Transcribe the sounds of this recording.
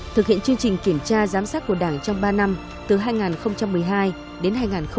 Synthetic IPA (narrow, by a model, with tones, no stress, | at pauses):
t̪ʰɨ˨˩hḭ˧˨ənt͡ɕɨ˧əŋt͡ɕï˨˩ŋ̟ki˧˩əmt͡ɕaː˧zaː˨˦msaː˦˥t̚kːu˧˩əɗaː˧˩ŋt͡ɕɔ˧wŋ͡mɓaː˧na˧m | t̪ɨ˨˩ɦaː˧jŋaː˨˩nxə˧wŋ͡mt͡ɕa˧mːɨ˨˩əjɦaː˧j | ɗe˨˦nɦaː˧jŋaː˨˩nx